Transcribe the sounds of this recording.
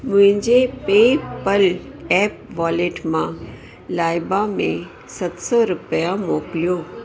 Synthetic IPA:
mʊ̃ɦɪ̃ɲd͡ʑepeːpəl | ɛːp̚ʋaːleːʈmã | laːjbamḛ̃ | sɐt̪sɔɾʊpəjamoːklijoː

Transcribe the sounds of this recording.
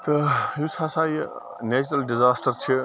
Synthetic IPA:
t̪ɐjusasaːj | neːt͡ʃɾɐlɖizaːsʈɐɾt͡ʃʰi

